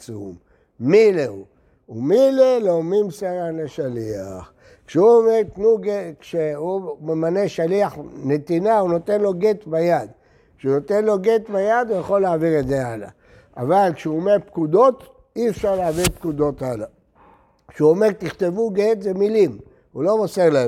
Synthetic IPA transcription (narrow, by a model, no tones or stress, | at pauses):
t͡sṵm | mileu | umileloːmimseʁanleʃaliaχ | kʃeuomeʁt̪nuɡekʃeumemaneʃaliaχne̞t̪inaunot̪e̞nlo̞ɡet̪bajad̪ | kʃeunot̪enlo̞ɡet̪bajad̪ujaχo̞lːaːviʁedzeala̰ | avalkʃeumepkud̪o̞t̪ | iefʃaʁlaːviʁpkud̪o̞t̪ala | kʃuomeʁt̪iχt̪e̞vuɡet̪zemilim | ulo̞moseʁla